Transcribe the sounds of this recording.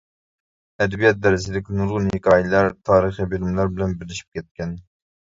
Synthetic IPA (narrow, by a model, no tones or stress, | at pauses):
ɛd̪bijɛt̪̚d̪ɛɾɪzɪlɪkʲɪnuɾʁʊnhɪkʰɑːjilæɾt̪ʰɑːɾəχibilɪmlˠæɾbɪlɛnbɪɾlɪʃi̥p̚kʲʰɛt̪̚kʲɛn